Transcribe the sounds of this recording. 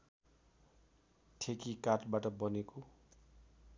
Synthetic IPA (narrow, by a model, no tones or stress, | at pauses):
tʰekikaʈbaʈʌbʌneko